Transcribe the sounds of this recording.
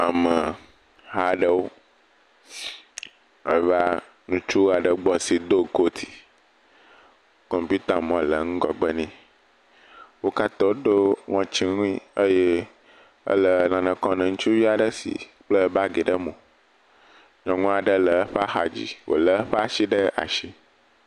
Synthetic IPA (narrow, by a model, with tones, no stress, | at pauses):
a˨mə˨ | ɦa˦ɖə˦wo˦ | ə̰˨˦va˦ | nũ˦t͡ʃu˦a˨ɖə˨ɡ͡bɔ˨si˨d̪o˦ko˦t̪ʰi̥˨ | kɔ˨mpu˦t̪a˨mɔ̃˨lə˨ŋũ˦ɡɔ˨ɡ͡bə˦nĩ˦ | wo˦ka˦t̪ɔ˦o˦ɖo˦ŋɔ̃˨t͡ʃi˦nũ˦ĩ˦ə˦je˦ | ə̰˦lə˨lã˨nə̃˨kɔ̃˦nɛ̃˨ŋũ˦t͡ʃu˦vi˦a˨ɖə˦sḭ˨k͡plə˦ba˦ɡe˨ɖə˦mõ˨ | ɲɔ̃˨ŋũ˦a˨ɖə˦lə˨˦ɸa˦xa˨d͡ʑḭ˨wo̰˨lə˦ɸa˦ʃi˦ɖə˦a̰˨ʃi˦